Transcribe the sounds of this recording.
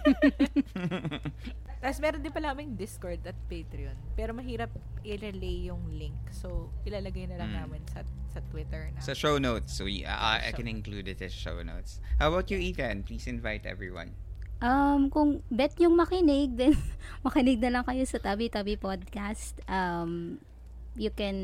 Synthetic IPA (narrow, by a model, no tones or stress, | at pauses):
t̪aːposmɛːɾond̪ɪnpɐlaːmɐŋd̪ɪskoɹd̪ɐt̪̚pejt̪ɾɪonpɛːɾomɐɦiːɾɐp̚ʔɪɾɛlejːʊŋlɪŋksowʔɪlaːlɐɡɐjnɐlɐŋnaːmɪnsɐsɐt̪wɪt̪ɛɹnɐsɐʃownowt̪so̰a̰ʔa̰jkɛ̃nɪnklud̪ɪt̪ɪʃo̰wno̰ʊt̪shawwɐt̪juikɛ̃npliːsɪ̃nvajt̪ʔɛ̰vɹḭwɐ̰̃n | ʔɐmkʊŋbɛt̪̚ɲʊŋmɐkɪnɪɡ̚d̪ɛnmɐkɪnɪɡ̚nɐlɐŋkɐjo̞sɐt̪ɐbit̪ɐbipod̪̚kast̪ʔɐm | jʊkɛn